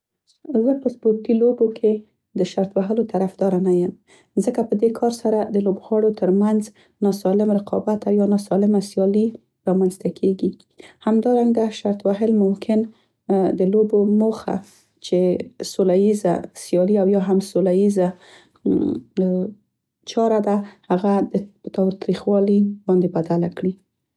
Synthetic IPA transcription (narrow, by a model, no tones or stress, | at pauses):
zəpəsboɾkilobokʰe | d̪əʃaɾt̪waɦəlot̪aɾafd̪ɑɾanajəm | zəkapəd̪ekʰɑɾsaɾad̪əlobɣwɑɽot̪əɾmanz | nɑsɑlɪmɾɪqʰɑ̰bat̪awjɑnɑsɑlɪmasjɑli | ɾɑmanzt̪akʰeɡi | hamd̪ɑɾaŋɡd̪aʃaɾt̪waɦəlmʊmkʰɪn | d̪əlobomoxa̰ | t͡ʃesolajiza̰sjɑliawjɑɦamsolajiza | t͡ʃɑɾad̪ahaɣad̪ət̪ɑwt̪ɾixwɑlibɑnd̪ebad̪alakɽi